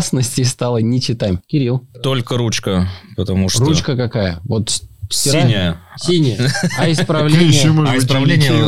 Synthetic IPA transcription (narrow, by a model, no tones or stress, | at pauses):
snəsʲtʲɪjst̪alˠənʲɪt͡ɕɪt̪amkʲɪɾʲilˠt̪o̞lʲkəɾut͡ɕkəpət̪ɐmuʂtrut͡ɕkəkɐkajə̰vot̪sʲɪianʲɪjəsʲinʲɪjəɐɪspɾɐvlʲejiməɪspɾɐvlʲenʲɪj